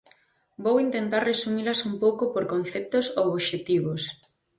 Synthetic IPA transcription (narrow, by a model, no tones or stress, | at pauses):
bowint̪ent̪arresumilɐsumpowkopoɾkon̟θɛp̚t̪osooβʃet̪iβos